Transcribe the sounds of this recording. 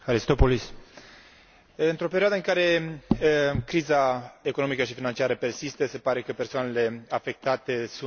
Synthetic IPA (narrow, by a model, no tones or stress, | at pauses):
aɾist̪o̞polis | ɨnt̪ɾo̞peɾioad̪əɨŋkaɾe̞ | kɾizaeko̞nomikəʃifinant͡ʃiaɾəpe̞rsist̪əse̞paɾe̞kəpe̞rsoane̞le̞afe̞k̚t̪at̪e̞su